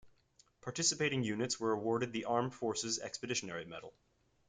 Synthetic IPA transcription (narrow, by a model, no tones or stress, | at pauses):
pʰɑɹtʰɪsɨpeɪɾɪ̃ŋjʉnɨtswə˞əwɔɹɾɨd̪̚ðiʔɑɹɱfɔɹsɨzɛ̰kspɨdɪʃɨnɛɹimɛ̰ɾl̩ˠ